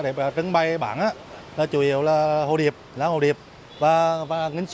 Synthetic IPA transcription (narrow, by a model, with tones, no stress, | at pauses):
ɗe˨˩aː˨˩t͡ɕə˧ŋɓa˧jɓa̰ː˧˩˦nʔaː˧˦ | laː˨˩t͡ɕu˨˦i˨˧˩əwlaː˨˩ho̰˧˩ɗi˨˩əp̚laː˨˦ho˧˩ɗi˨˩əp̚ | vaː˨˩vaː˨˩ŋï˧ŋ̟s